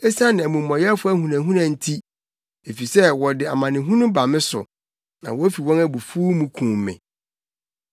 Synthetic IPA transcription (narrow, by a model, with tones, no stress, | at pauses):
ɛ˦sã˦nɪ̃˨æ˨mũ˨mː˨ɔ̃˨jɛ˦fʊ˦æ˦hũ˨nã˨ɦũ˦nã˨n̩˨tʰi˦ | e˨fi˨sɛ˦wɔ˨dɪ˨a˨mã˨nɪ̃˨ɦũ˦nʊ̃˦ba˨mɪ̃˦sʊ̰˨ | nã̰˨wɔ˦fi˨wɔ̃˦næ˦bu˨fuː˦mũ˦kʰũː˨mːɪ̰̃˨